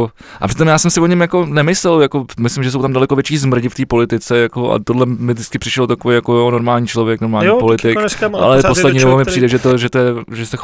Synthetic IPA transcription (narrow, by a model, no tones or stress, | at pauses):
ʔa̰pr̥ɪt̪omjaːsɛmsɪvoɲɛmjako̞nɛmɪslɛljako̞mɪslɪmʒɛs̬owt̪amdalɛkovjɛt͡ʃiːzmr̩ɟɪft̪iːpo̞lɪt̪ɪt͡sɛjakoʔa̰t̪odlɛmɪzdɪt͡skɪpr̥ɪʃɛlot̪akovejakokono̞ɾmaːlɲiːt͡ʃlo̞vjɛkno̞ɾmaːlɲiːpolɪt̪ɪka̰lɛposlɛdɲiːdobomɪpɾiːdɛʒɛt̪oʒɛt̪ojɛʒɛsɛx